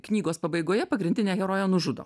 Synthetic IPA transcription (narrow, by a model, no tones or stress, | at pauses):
knʲiːɡoːspɐbɐɪɡoːjɛpɐɡɾʲɪnʲd̪ʲɪnʲeːɣʲɛɾoːjɛnʊʒʊd̪o̰